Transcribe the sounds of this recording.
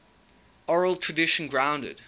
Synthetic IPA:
ɔɹəlˠtʰɹ̥ədɪʃə̃nɡɹãʊ̃ndə̰d̥

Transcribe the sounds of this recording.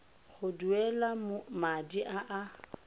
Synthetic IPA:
χʊduɛlamʊmadiʔaʔa

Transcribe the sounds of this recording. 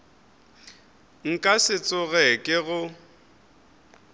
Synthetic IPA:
ŋ̩kʼasɪt͡sʼʊɣɛkʼɪɣʊ

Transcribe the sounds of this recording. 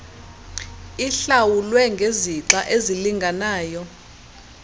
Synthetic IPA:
iɬawulwɛŋɡʱeziǁaʔeziliŋɡʱanaːjɔ

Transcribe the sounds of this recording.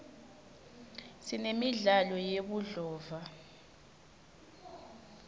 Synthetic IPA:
sinemiɮalɔjeɓuɮɔːva

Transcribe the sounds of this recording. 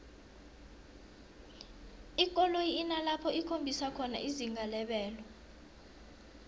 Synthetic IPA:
ik̬ʼɔlojːnalapʰɔikʰombʱisakʰɔna̰ʔiziŋɡʱalɛɓɛːlɔ

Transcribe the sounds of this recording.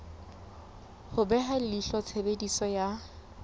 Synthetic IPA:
hʊbɛɦalliɬɔt͡sʰebedisɔja

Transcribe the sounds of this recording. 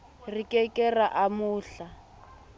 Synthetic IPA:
rikʼɛkʼɛraʔamʊːɬa

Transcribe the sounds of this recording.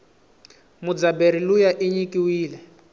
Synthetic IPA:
mud͡zabeɾilujaʔiɲikʼiwiːlɛ

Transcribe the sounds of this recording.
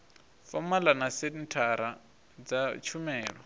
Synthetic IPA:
fɔmalanasedintʰaɾa | d͡zat͡ʃʰumɛːɺɔ

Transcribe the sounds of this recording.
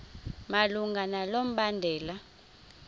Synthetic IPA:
maluŋɡʱanalom̩ɓandʱɛːla

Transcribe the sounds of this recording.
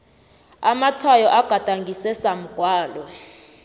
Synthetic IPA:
amat͡sʰajɔʔaɡ̥ʱad̥ʱʼaŋɡʱisɛsam̩ɡ̥ʱwaːlɔ

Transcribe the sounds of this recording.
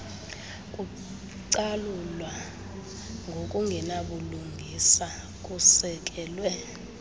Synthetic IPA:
k̬ʼu | ǀalulwa | ŋɡʱokʼuŋʱɛnaɓuluŋʱisa | k̬ʼusɛk̬ʼɛːlwɛ

